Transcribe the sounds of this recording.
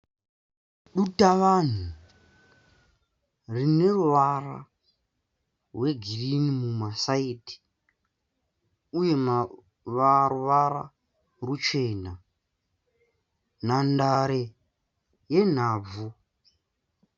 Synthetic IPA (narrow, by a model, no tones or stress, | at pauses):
ɗutaʋan̤u | rine̞ruʋara̰ | rwe̞ɡʱirinimumasaiti̥ | uje̞ma | ʋaruʋaɾa̰ | rut͡ʃeːna | n̤andaɾe | je̞n̤aːb͡vu